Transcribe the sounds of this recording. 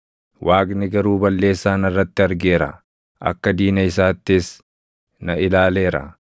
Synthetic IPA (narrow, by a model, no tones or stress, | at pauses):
wʔaːɡnɪɡɐɾuːbɐlːe̞ːsːaːnɐrːɐt̪ːɪɐɾɡe̞ːɾɐ̰ | ʔɐ̰kːɐd̪iːnɐɪsaːt̪ːɪs | nɐɪlaːle̞ːɾɐ̰